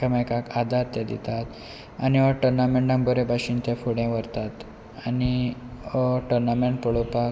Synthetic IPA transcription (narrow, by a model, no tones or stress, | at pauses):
əmakakad̪ʱaɾt̪jed̪ḭt̪at̪ | a̰niʋɔʈəɾnameɳɖãŋbəɾebʱaɕint̪jafuɽjɛ̃ʋəɾt̪at̪ | aniɔʈəɾnameɳʈ̚pəɭopa